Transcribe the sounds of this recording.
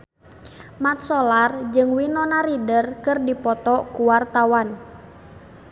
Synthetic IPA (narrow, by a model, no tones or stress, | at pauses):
mat̪̚sɔlard͡ʒɨŋwinɔnaɾidərkɨrdipɔt̪ɔkuwart̪awan